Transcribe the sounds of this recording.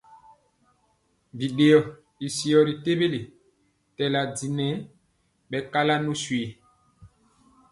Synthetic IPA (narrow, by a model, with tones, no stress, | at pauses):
bi˨ɗe˨ɔ˨ | i˨si˨ɔ˨ɾi˨te˦be˦le˨ | tɛ˨la˨di˨nɛ˨˦ | ɓɛ˨ka˦la˦nu˦swe˨